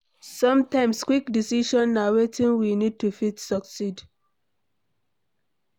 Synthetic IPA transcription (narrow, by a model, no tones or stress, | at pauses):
sɔ̃mtãɪ̃mskwikdisiʃɔ̃nːawetĩnwinid̚tufitsɔksid